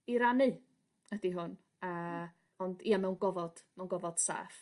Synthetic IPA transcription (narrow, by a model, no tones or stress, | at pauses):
iɾanɨ | ədiɦʊn | ə | ɔndiːamɛwnɡɔvɔd̥mɛwnɡɔvɔd̥sa̰ːf